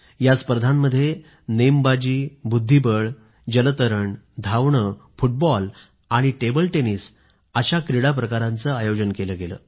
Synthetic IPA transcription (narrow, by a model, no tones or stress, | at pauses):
jat͡spɾəd̪ʱamːəd̪ʱːje | nembad͡ʑiːbud̪ʱːibəɭ | d͡ʑələt̪əɾəɳd̪ʱawɳəfuʈ̚bɔl | aɽ̃iʈebəlʈeniːs | əɕakɾiɽap̬ɾəkaɾãnt͡səajod͡ʑənkeləːɡelə̰ː